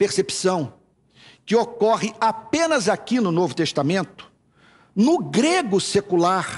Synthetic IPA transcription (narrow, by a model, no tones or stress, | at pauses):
peɾsepi̥sɐ̃w̃ | kɪokɔʁɪapẽnɐzakinʊnovʊt̪est̪amẽnt̪ʊ̥ | nʊɡɾeɡʊsekulaɾ